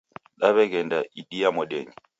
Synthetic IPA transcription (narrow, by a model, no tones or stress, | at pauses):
ɗaβɛkɛndaʔidiamɔɗɛɲi